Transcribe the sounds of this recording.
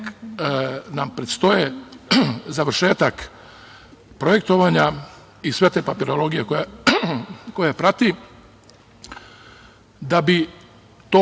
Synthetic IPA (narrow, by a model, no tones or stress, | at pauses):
nampɾet̪st̪o̞je | zaʋɾ̩ʃe̞ːt̪ak | pɾoje̞k̚t̪o̞ʋaːɲa | isʋe̞t̪eːpapiɾolo̞ɡijekoja | kojapɾat̪i | d̪abi | t̪oː